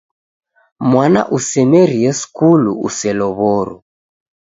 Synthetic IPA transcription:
mwana̰ʔusɛmɛɾiɛskulṵṵsɛlɔβɔɾɔ̰

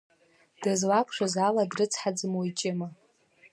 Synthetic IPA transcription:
d̥azlakʷʰʼʂʷazaladrɨt͡sʰħad͡zmojt͡ʃʼɪma

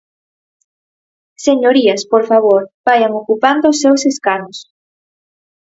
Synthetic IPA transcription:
seɲoɾiɐspoɾfaβ̞oɾbajɐŋokupand̪ʊːsːewseskanʊs

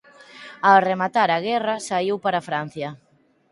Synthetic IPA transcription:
aremat̪aɾaɣɛrɐsaiwpaɾafɾan̟θjɐ

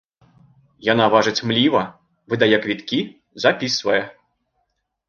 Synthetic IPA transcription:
janavaʐɨt͡sʲmlʲivɐ | vɨd̪ajɛkvʲit̪kʲi | zapʲisvɐjɛ

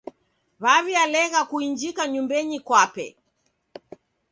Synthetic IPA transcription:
βaβialɛɣakuind͡ʒikaɲumbɛɲikwapɛ̰

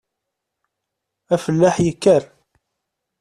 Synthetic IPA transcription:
æfəlːaħjəkːəɾ

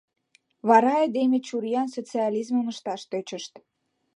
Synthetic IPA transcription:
βɑɾɑed̪emet͡ɕuɾjɑnsot͡seɑlizmənəʃt̪ɑʃt̪øt͡ɕəʃt̪

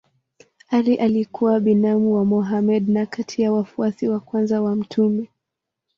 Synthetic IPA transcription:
aliʔalikuwaɓinamuwamɔɦamɛɗnakatʰijawafuasiwakwanzawam̩tʰumɛ

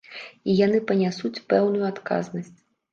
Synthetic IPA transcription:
ijan̪ɨpɐnʲasut͡sʲpɛwnujuat̪ka̰znɐsʲt͡sʲ

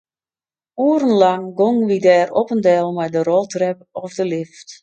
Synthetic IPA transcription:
uəɾənlaŋɡoŋʋidɛːrɔpəndɛlˠmɛjdərɔlˠtʰrɛpɔfdəlɪft

